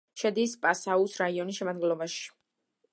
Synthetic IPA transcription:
ʃɛd̪ispʼasausɾaiɔnisʃɛmad̪ɡɛnlˠɔbaʃi̥

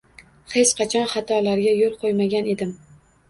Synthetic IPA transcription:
he̞t͡ʃqʰɑt͡ʃʰɒnχɑt̪ʰɒlaɾɡʲajolˠqʰojmaɡʲane̞d̪ɪm

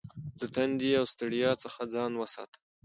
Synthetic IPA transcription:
d̪ət̪and̪iawst̪aɽijɑt͡səxad͡zɑnwəsɑ̰t̪ə̥

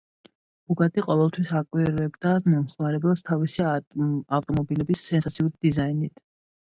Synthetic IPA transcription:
b̥uɡat̪ʼiqʼɔvɛlˠt̪ʰwisakʼwiɾɛbd̪amɔmχmaɾɛbɛlst̪ʰavisiaft̪ʼɔmɔbilɛbisːɛnsat̪sʰiuɾid̪izainit̪ʰ

